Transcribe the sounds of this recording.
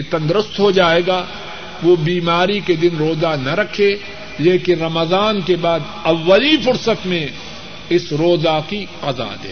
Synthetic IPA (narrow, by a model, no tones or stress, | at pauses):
et̪ɐ̃nd̪ɾʊst̪ɦod͡ʒaːeːɡaː | ʋobiːmaːɾiked̪ɪnɾoːzanɐɾɐkʰeː | leːkɪnɾɐməzaːnkebaːd̪ɐʋːəlifʊɾsət̪mẽ | ɪsɾoːzakiqɐza̰d̪ḛː